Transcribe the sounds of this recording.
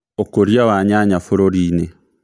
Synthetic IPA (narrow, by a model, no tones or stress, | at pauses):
okoɾiawaɲaɲafoɾoɾine